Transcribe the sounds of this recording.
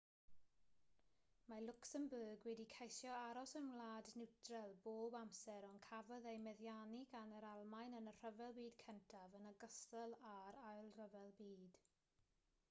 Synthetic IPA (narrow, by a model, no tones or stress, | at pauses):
malˠʊksəmbəːɡwɛdikʰejsjɔaɾɔsənwlaːdnɪwtʰrɛlˠboːbamsɛɾɔnkʰavɔðejmɛðjaniɡanəɾalˠmajnənər̥əvɛlˠbiːdkʰɛntʰavənəɡəstəlˠaɾajlˠr̥əvɛlˠbiːd̥